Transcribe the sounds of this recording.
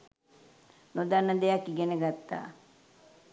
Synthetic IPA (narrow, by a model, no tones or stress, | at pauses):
nod̪anːəd̪ejakːiɡenəɡat̪ːa̰ː